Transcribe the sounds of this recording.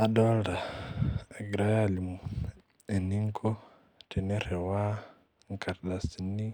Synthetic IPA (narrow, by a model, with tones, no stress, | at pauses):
a˨ɗo˦lɾa˨ | ɡɾa˦ja˦˨li˨mu˨ | e˨ni˦ŋkʰo˦ | te˨ne˦ɾe˨wa˦ | ŋ˨ka˨ɾɗa˨si˨ni˦